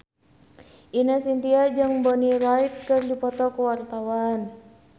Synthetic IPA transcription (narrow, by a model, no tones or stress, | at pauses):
ʔinəsint̪iad͡ʒɨŋbɔnilait̪̚kɨrdipɔt̪ɔkuwart̪awan